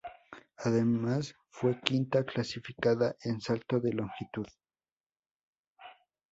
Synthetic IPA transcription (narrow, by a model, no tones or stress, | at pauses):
aðemas | fwe̞kint̪aklasifikaðaʔensalt̪oðeloŋxit̪uð